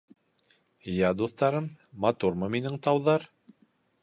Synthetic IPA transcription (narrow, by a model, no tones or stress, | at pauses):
jæd̪uθt̪ɑɾɤmːɑt̪uɾmɤminɘŋt̪ɑwðɑɾ